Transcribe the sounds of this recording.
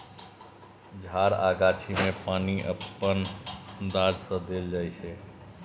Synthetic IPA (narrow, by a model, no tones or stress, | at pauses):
d͡ʒʱaːɾa̰ːɡaːt͡ʃʰimẽpaːniʔəpːənd̪aːd͡ʒsə̃d̪eld͡ʒaːjt͡ʃʰɛ